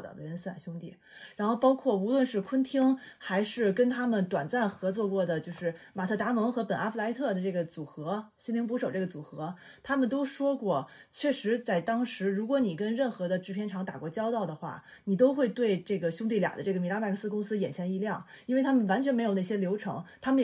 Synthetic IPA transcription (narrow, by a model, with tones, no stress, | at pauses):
d̪ə̰˩we˧˥ə˧˥nsɹ̩˥˩a̰˨˩ɕjʊ˥ŋt̪ḭ˥˩ | ɻa˧˥nxo˥˩ʊpɑ˥ʊkʰwɔ˥˩u˧˥lwə˥˧nʂɻ̩˥˩kʰwə˥nt̪ʰi˥ŋxa˧˥ɪʂɻ̩˥˩kə˥nt̪ʰa˥mə˨nt̪wa˨˩nt͡sa˥˩nxɤ˧˥t͡swɔ˥˧kwɔ˥˩d̪ə˩t͡ɕjo˥˧ʊʂɻ̩˥˩ma˨˩t̪ʰɤ˥˩t̪a˧˥mɤ˧˥ŋxɤ˧˥pə˨˩na˥fu˥˩a˧˥ɪ˥t̪ʰɤ˥˩d̪ə˩ʈ͡ʂɤ˥˩ɡə˩t͡su˨˩xɤ˧˥ɕi˥nli˧˥ŋp̬u˧˥ʂo˨˩ʊʈ͡ʂɤ˥˩ɡə˩t͡su˨˩xɤ˧˥ | t̪ʰa˥mə˨nt̪o˥ʊʂwɔ˥kwɔ˥˩t͡ɕʰɥɛ˥˩ʂɻ̩˧˥t͡sa˥˩ɪt̪ɑ˥ŋʂɻ̩˧˥ɻu˧˥kwɔ˧˥ni˨˩kə˥nɻə˥˩nxɤ˧˥d̪ə˧ʈ͡ʂɻ̩˧˥pʰjɛ˥nʈ͡ʂʰɑ˧˥ŋt̪a̰˨˩kwɔ˥˩t͡ɕjɑ˥ʊt̪ɑ˥˩ʊd̪ə˩xwa̰˥˩ | ni˨˩t̪o˥ʊxwe˥˧ɪt̪we˥˧ɪʈ͡ʂɤ˥˩ɡə˩ɕʊ˥ŋt̪̬i˥˩ljɑ̰˨˩d̪ə˦ʈ͡ʂɤ˥˩ɡə˩mi˧˥la˥ma˥˧˩kʰsɹ̩˥˧kʊ˥ŋsɹ̩˥jɛ˨˩nt͡ɕʰjɛ˧˥ni˧˥ljɑ˥˩ŋi˥ne˥˩ɪa˥mə˨nwa˧˥nt͡ɕʰɥɛ˥ne˧˥jo˨˩ʊn˥˩ɕjɛ˥ljo˧˥ʊʈ͡ʂʰɤ̰˧˥ŋt̪ʰa˥mə˨